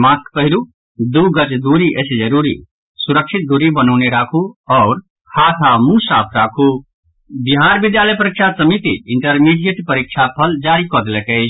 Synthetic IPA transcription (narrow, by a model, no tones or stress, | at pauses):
mãskpəɦilu | d̪uɡət͡ʃd̪uɾiʔəsed͡ʒəɾuɾḭ | suɾəkʃʰit̪̚d̪uɾibənɔʊneɾaːkʰuɔːɾ | kʰat̪ʰamũsaːpʰɾaːkʰu | biɦaːɾbid̪jaləjpəɾikʃʰasəmit̪iɪɳʈəɾmiɖieʈpəɾikʃʰapʰəld͡ʒaːɾikɔd̪lɛkəɪt͡ʃʰ